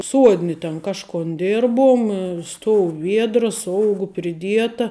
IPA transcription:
ˈsuɔdʲnʲɪ tʲɛn ˈkɑːʃkoːn ˈdʲɪrbʊm ˈstoːʊ ˈʋʲiɛdrɐs ˈoːʊɡʊ pʲrʲɪˈdʲiɛtɐ

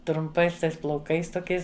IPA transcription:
trʊmˈpɐɪs ˈtɐɪs plˠɐʊˈkɐɪs toːˈkʲɛɪs

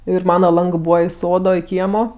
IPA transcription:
ˈɪr ˈmɑːnɐ ˈlˠɐŋɡɜ ˈbuːʋɐ ɪ ˈsoːdoː ɪ ˈkʲiɛmoː

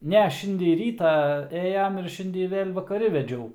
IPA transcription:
ˈnʲɛ ˈʃʲɪnʲdʲɛj ˈrʲiːtɑː ˈeːjɛm ɪr ˈʃʲɪnʲdʲɛj ˈʋʲeːlʲ ʋɐkɐˈrʲɪ ʋʲɛˈd͡ʒʲɛʊ

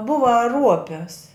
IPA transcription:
ˈbʊʋɐ ˈruɔpʲɪs

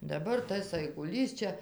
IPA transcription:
dɐˈbɐr ˈtɐs ɐɪɡʊˈlʲiːs ˈt͡ʃʲɛ

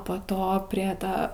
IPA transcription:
poː ˈtoː pʲrʲiɛ ˈtɐ

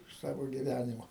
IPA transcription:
ɪʃ ˈsɑːʋoː ɡʲɪˈʋʲænʲɪmoː

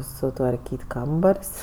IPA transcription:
sʊtʋɐrʲˈkʲiːtʲ ˈkɐmbɐrʲsʲ

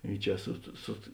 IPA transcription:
ɪ ˈt͡ʃʲɛ sʊt sʊt

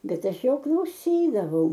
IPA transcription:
ˈbʲɛt ˈɐʃ ˈjoː klˠɐʊˈsʲiːdɐʋɐʊ

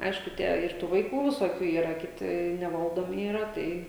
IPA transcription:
ˈɐɪʃkʊ ˈtʲiɛ ɪr ˈtuː ʋɐɪˈkuː ʋʲɪsoːˈkʲuː ˈiːrɐ kʲɪˈtʲɪ nʲɛˈʋɐlˠdoːmʲɪ iːˈrɐ ˈtɐɪ

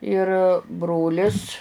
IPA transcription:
ɪr ˈbroːlʲɪs

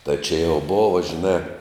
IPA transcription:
tɐɪ t͡ʃʲɪ jɛʊ ˈboːʋɐ ʒʲɪˈnɑː

